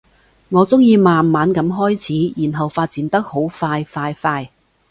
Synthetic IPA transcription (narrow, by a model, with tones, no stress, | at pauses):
ŋɔː˨˧t͡sʊ˥ŋjiː˧maː˨nmaː˨˧nkɐ˨˥mɦɔː˥jt͡sʰiː˨˥jiː˨˩nɦɐ˨wfaː˧t̚t͡siː˨˥nt̪ɐ˥k̚ho˨˥wfaː˧jfaː˧jfaː˧j